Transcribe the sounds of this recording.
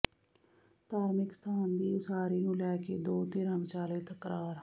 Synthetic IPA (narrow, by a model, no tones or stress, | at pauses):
t̪aːɾmɪkst̪ʰaːnd̪iːʊsaːɾiːnũːlɛːkeːd̪oːt̪ɪːɾaːmt͡ʃaːleːt̪əkɾaːɾ